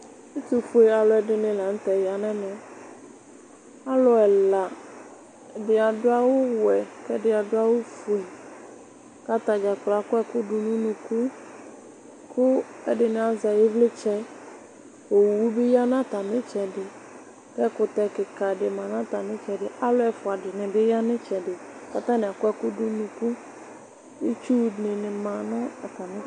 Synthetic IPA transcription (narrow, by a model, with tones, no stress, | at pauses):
e˦t̪u˨fu˦e˨a˨lɔ˦ɛ˨ɖɪ˦nɪ̃˨lã˨ŋ̩˦t̪ɛ˨ja˨nɛ̃˦nɛ̃˨ | a˦lɔ˦ɛ˨la˨ | ɖɪ˨a˨ɖʊ˦a˦wʊ˦wʊ˨ɛ˨kɛ˦ɖɪ˨a˨ɖʊ˦a˦wo˦fu˨e˨ | ka˦t̪a˨d͡ʒa˨k͡pla˨kʊ˦ɛ˦kʊ˦ɖʊ˨nũ˦nũ˨ku˦ | kʰʊ˦ɛ̰˦dɪ˨nɪ˨a˨za˨jɪ˦vlɪ˦t͡ʃɛ˦ | o˨wwu˦bɪ˦ja˦n˦a˦ta˨mɪ˦t͡ʃɛ˨dɪ˨ | kɛ˦kʊ˨tɛ˨kɪ˨ka˨dɪ˨mã˨n˦a˦ta˨mɪ˦t͡ʃɛ˨dɪ˨ʔa˦lʊ˦ɛ˨fʊ˨a˨dɪ˨nɪ˨bɪ˦ja˦nɪ˦t͡ʃɛ˨dɪ˨ | ka˨ta˦nɪ˨a˨kʊ˦ɛ˦kʊ˦du˦nu˨ku˦ | i˦t͡ʃu˦˨nɪ˨nɪ˨mã˨nʊ˦a˨ta˨mɪ˦